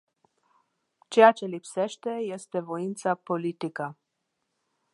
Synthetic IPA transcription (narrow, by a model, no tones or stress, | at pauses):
t͡ʃe̞jat͡ʃe̞lipse̞ʃt̪e̞je̞st̪e̞vo̞int̪sapo̞lit̪ikə